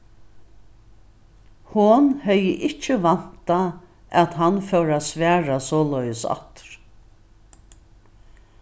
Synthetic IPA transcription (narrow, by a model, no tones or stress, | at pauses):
hʊnhœjəʔɪt͡ʃːəʋan̥t̪a | at̪ɦanfœwɾaːsʋæːɹasɔːlœjəsa̰t̪ɾ̥